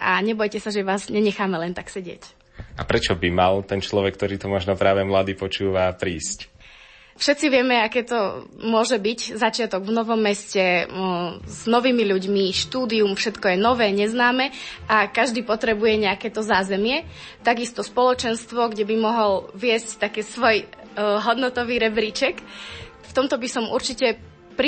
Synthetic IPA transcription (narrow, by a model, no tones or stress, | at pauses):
ʔa̰ɲɛbɔjcɛsaʒɛʋaːzɲɛɲɛxaːmɛlɛnt̪aksɛɟɪɛ̰c | apɾɛt͡ʃɔbimalt̪ɛnt͡ʃlɔʋɛk̚t̪ɔɾiːt̪ɔmɔʒnɔpɾaːʋɛmlad̪iːpɔt͡ʃuːʋapɾiːsc | fʃɛt̪t͡siʋɪɛmɛakɛːt̪ɔmʊɔʒɛbiɟzat͡ʃɪat̪ɔɡvnɔʋɔmːɛscɛ | z̥nɔʋiːmiʎuɟmiʃt̪uːd̪iumfʃɛt̪kɔjɛnɔʋɛːɲɛznaːmɛakaʒd̪iːpɔt̪ɾɛbujɛɲɛakɛːt̪ɔzaːzɛmɪɛ | t̪aɡist̪ɔspɔlɔt͡ʃɛnst̪ʋɔɡɟɛbimɔɦɔlʋɪɛsct̪akɛːsʋɔj | ɦɔd̪nɔt̪ɔʋiːɾɛbɾit͡ʃɛk | ft̪ɔmt̪ɔbisɔmṵɾt͡ʃicɛ | pɾi